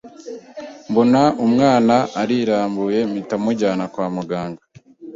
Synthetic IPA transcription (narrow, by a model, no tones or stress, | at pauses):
mbonaumŋaːnaːɾiɾaːmbuje̞mitamuɟaːnakwaːmuɡaːŋɡa